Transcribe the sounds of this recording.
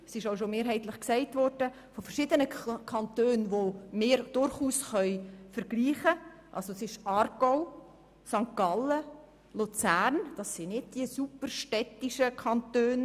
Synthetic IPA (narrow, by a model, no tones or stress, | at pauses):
sɪʃoʊʃomeːɾɦɛɪt̪ləχksɛɪtʋɔɾd̥ə | fofɛɾʃɪdənəkʰɑntøːnʋomɪːɾd̥ʊɾχuːsχœʏfəɾɡ̥liːχəʔɑ̰lsosɪʃʔɑːɾɡ̥ɔʊ | sɑŋkɑlə | lut͡sæːrnd̥ɑsːɪnɪd̚d̥iəsupərʃtɛtiʃəkʰɑntøːn